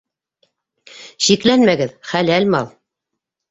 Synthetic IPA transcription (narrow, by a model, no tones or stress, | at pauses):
ɕiklænmæɡɘðχælælmɑlˠ